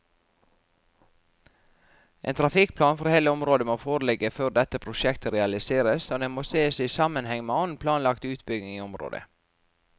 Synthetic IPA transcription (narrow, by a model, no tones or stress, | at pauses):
ʔḛːnt̪ʰɾɑfɪk̚pʰlɑːnfɔɾheːləɔmɾoːd̪əmoːfoːɾəlɛɡəføːɾd̪ɛt̪əpʰɾʊʃɛkt̪əɾɛɑlɪseːɾəsoːd̪eːmoːseːsɛiːsɑmənhɛŋmeːɔnpʰlɑːnlɑkt̪ʉːt̪bʏɡnɪŋiːɔmɾo̰ːd̪ə̰